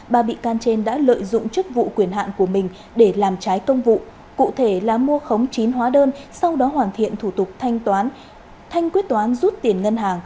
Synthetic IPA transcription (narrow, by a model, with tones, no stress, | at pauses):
ɓaː˧˩ɓḭ˧˨kaː˧nt͡ɕe˧nɗa̰ː˧˥lə̰ː˧˨jzʊ̰˧˨ŋ͡mt͡ɕɨ˦˥k̚vṵ˧˨kwi˧˩ənɦa̰ː˧˨nku˧˩əmï˨˩ŋ̟ | ɗe˧˩laː˨˩mt͡ɕaː˨˦jkə˧wŋ͡mvṵ˧˨ | kṵ˧˨t̪ʰe˧˩laː˨˩mu˧əxə˨˦wŋ͡mt͡ɕi˨˦nɦwaː˨˦ɗəː˧nsa˧wɗɔ˨˦ɦwaː˨˩nt̪ʰḭ˧˨ənt̪ʰu˧˩t̪ʊ˨˩k͡p̚t̪ʰːn | t̪ʰa˧jŋ̟kwi˦˥t̚t̪waː˨˦nzu˦˥t̚t̪i˨˩ənŋə˧nɦaː˨˩ŋ